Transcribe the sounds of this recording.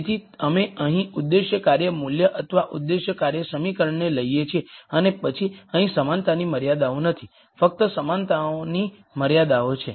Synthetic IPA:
t̪ʰiəmeəɦĩud̪ːeʃjəkaɾjəmuljəʔət̪ʰəʋaʔud̪ːeʃjəkaɾjəsəmikəɾəɳːeləijet͡ʃʰeənepət͡ʃʰiəɦĩsəmant̪animəɾjad̪aũnət̪ʰi | fək̚t̪əsəmant̪aoni | məɾjad̪aot͡ʃʰe

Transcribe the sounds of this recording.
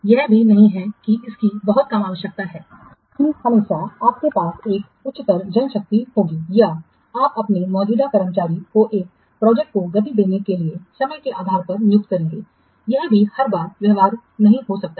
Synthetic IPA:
jɛɦbʱinɐɦĩɦɛkiɪskibɐɦʊt̪̚kɐmaːʋəʃjək̚t̪aɦɛː | kihɐmeːʃaaːp̚kepaːseːk | ʊtːt͡ʃːɪt̪əɾd͡ʒɐ̃nʃɐk̚t̪ihoːɡija | aːpɐpnemɔːd͡ʒuːd̪akɐɾəmt͡ʃaːɾikoʔeːk̚ | pɾɔːd͡ʒɛk̚ʈ̚koɡɐt̪̬id̪eːnekeliesɐməjkeʔaːd̪ʱaːɾpɐɾnjʊk̚t̪̚kɐɾẽːŋɡeː | jɛɦbʱihɐɾbaːɾʋjɐɦʋaːɾ | nɐɦĩɦosɐk̚t̪a

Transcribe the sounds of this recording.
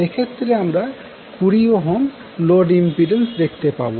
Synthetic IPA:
ekʰet̪ːɾeamɾa | kuɾioɦɔm | lɔɖimpiɖensd̪ek̚ʰt̪epa̰bo

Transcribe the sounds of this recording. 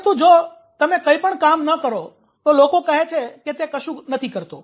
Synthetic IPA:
t̪ũd͡ʒo | t̪əmẽkəipəɳkamnəkəɾo | t̪olokokəɦet͡ʃʰeket̪ekəʃũnət̪ʰikəɾt̪o

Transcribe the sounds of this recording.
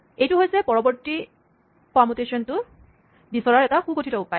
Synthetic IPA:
ejtuɦojsɛpɔɹɔbɔɹti | pamutesɔntʊ | bisɔɹaɹɛtaxuɡotʰitɔupaj

